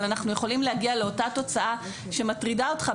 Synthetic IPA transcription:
lanaχnujeχo̞limlehaɡiale̞o̞tato̞t͡saa | ʃe̞matʁidaotχa

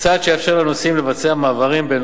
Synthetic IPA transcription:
t͡sadʃejafʃeʁlanosimle̞vat͡se̞amaːvaʁimben

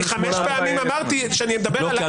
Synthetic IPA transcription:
χameʃpeamimamaʁt̪iʃeanimed̪abe

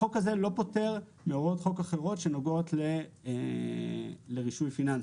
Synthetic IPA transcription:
o̞kaze̞lo̞po̞te̞ʁ | meoʁo̞tχo̞kaχe̞ʁo̞tʃe̞no̞ɡotle | leʁiʃujfinans

